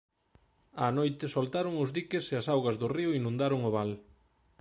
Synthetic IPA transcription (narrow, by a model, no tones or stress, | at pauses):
anojt̪ɪsolt̪aɾʊŋʊzðikɪseɐsawɣɐzðʊriʊinũnd̪aɾʊŋʊβ̞al